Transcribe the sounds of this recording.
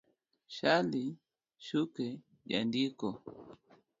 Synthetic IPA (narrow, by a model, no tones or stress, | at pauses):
ʃali | ʃukɛ | ʄa̰ndikɔ